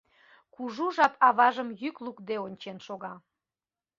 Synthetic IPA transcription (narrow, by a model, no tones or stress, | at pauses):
kuʒuʒɑpʰɑβɑʒəmjyklukd̪eonʲt͡ɕenʃoɣɑ